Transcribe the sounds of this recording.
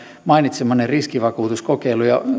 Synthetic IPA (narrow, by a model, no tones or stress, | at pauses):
mɑinit̪semːɑnerriskiʋɑkuːt̪uskokeilujɑ